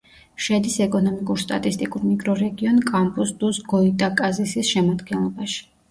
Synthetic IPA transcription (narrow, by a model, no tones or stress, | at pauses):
ʃɛd̪isɛkʼɔnɔmikʼuɾst̪ʼa̰t̪ʼist̪ʼikʼuɾmiɡɾɔɾɛɡiɔnkʼampʼusd̪̥usɡɔit̪ʼakʼazisisʃɛmad̪ɡɛnlˠɔbaʃi̥